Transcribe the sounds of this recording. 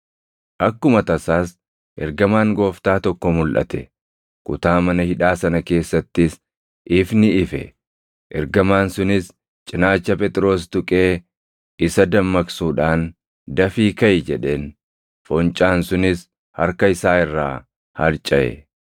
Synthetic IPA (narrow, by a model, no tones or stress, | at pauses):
ʔɐkːʊmɐt̪ɐsaːs | ʔɛ̰ɾɡɐmaːŋɡo̞ːft̪aːt̪ɔkːɔmʊlʔɐ̰t̪ɛ̰ | kʊt̪aːmɐnɐhɪᶑaːsɐnɐke̞ːsːɐt̪ːɪs | ʔɪfnɪɪfɛ̰ | ʔɛɾɡɐmaːnsʊnɪs | t͡ʃʼɪnaːt͡ʃːɐpʼɛt̪ʼɾo̞ːst̪ʊkʼe̞ː | ɪsɐd̪ɐmːɐksuːᶑaːn | d̪ɐfiːkɐjd͡ʒɛᶑe̞ːn | fɔnt͡ʃʼaːnsʊnɪs | hɐɾkɐɪsaːɪrːa̰ː | hɐɾt͡ʃʼɐʔɛ̰